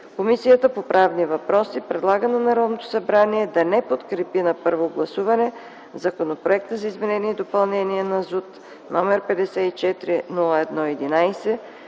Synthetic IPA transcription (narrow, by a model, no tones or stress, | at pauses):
komisijət̪əpopɾʔavnivɐpɾɔsipɾɛd̪lˠaɡənɐnɐɾɔd̪not̪o̥sɐbɾaniɛd̪ɐnɛpot̪kɾɛpinɐpɤɾvoɡlˠɐsuvɐnɛ | zɐkonopɾoɛk̚t̪əzɐizmɛnɛniɛid̪opɐlˠnɛniɛnɐzut̪ | nɔmɛɾpɛd̪ɛsɛit͡ʃɛt̪ɾinulˠəɛd̪nɔɛd̪inajsɛ